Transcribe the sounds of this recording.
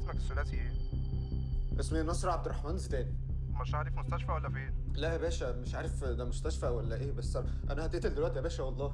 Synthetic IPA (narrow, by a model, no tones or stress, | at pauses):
smækesːolæːt̪i | bʔæsminːɑsˤɾˤɑʕab̪̚eɾˤːɑħmæːnzit̪æːni | meʃʕaːɾefmost̪æʃfæwælːæfeːn | læʔæbæːʃæmeʃʕaːɾefd̪æmost̪æʃfæwælːæʔeːbæsːæ | ʔænæhæt̪eʔt̪eld̪elwæʔt̪iʔæbæːʃæwɑlˤːɑː